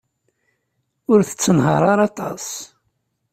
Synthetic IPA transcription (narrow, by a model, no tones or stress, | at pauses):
ʊɾθə̥t͡sːənɦə̰ɾˤɑɾˤɑt̪ˤɑs